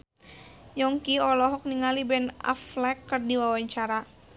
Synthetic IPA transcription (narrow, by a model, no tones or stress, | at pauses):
jɔŋkiɔlɔɦɔk̚niŋalibɛna̰flɛkːərdiwawaɲt͡ʃaɾa